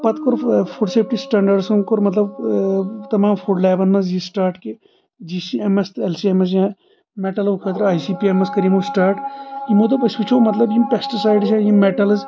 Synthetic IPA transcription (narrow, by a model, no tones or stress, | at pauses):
pɐt̪koɾfʰuɖseːp̚ʰʈisʈɐ̃ɳɖɐɖsunkoɾmɐt̪lɐb | t̪ɐmaːmfʰuɖlɛːbɐnːɐs̬jisʈaːɾʈke | d͡ʒiːsiemest̪ɛlsiemɐs̬jã | meʈɐlʋkʰɐt̪ɾaːjsiːpiemɐskɐɾimosʈaːɾʈjimot̪ɐbɐsit͡ʃʰomɐt̪lɐbjimpeksʈisaːjɖsãːjimeʈɐlɐz